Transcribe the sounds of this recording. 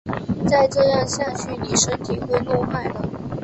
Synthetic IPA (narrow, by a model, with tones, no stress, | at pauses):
t͡sa˥˧ɪʈ͡ʂɤ˥˧jɑ˥˧ŋɕja˥˧t͡ɕʰy˥˩ni˨˩ʂə˥nt̪ʰi˨˩xwe˥˧ɪlwɔ˥˧xa˥˩ɪlə˩